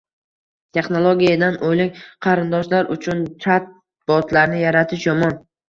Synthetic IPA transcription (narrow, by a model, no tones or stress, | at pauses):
t̪ʰe̞χnolˠoɡʲijad̪anʔojlɪkʲqʰɑɾɪnd̪ɒʃlaɾʊt͡ʃʰʊnt͡ʃʰat̪̚ | b̥ɒt̪ʰlaɾnɪjaɾat̪ʰɪʃjɒmɒn